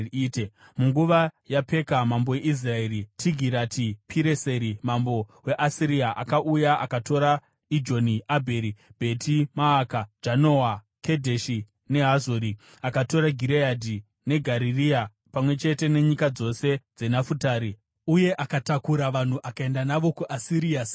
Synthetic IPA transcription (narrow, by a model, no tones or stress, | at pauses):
te | muŋɡuʋajape̞kamambo̞je̞ʔis̬raeɾitʰiɡʱiɾatʰipʰiɾe̞se̞ɾimambo̞we̞ʔasiɾiaʔakaʔujaʔakato̞ɾa | id͡ʒo̞niabʱeɾib̥ʱe̞tʰimaːkad͡ʒano̞wa | ke̞dʱeʃi | ne̞ɦazoɾi | akato̞ɾaɡʱiɾeadʱi | ne̞ɡʱaɾiria | pamwe̞t͡ʃe̞te̞ne̞ɲikad͡zo̞se̞d͡ze̞nafutaːɾi | uje̞ʔakatakuɾaʋan̤uʔakae̞ndanaʋo̞kuʔasiɾia